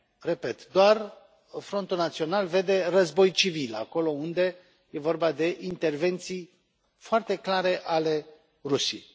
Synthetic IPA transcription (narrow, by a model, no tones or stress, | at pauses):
re̞pet̪d̪oar | fɾo̞nt̪ulnat̪sio̞nalve̞d̪e̞rəzbo̞jt͡ʃivila̰ko̞lo̞und̪e̞ | je̞vo̞rbad̪e̞ʔint̪e̞rve̞nt̪sij | foart̪e̞klaɾe̞ʔale̞ | rusiej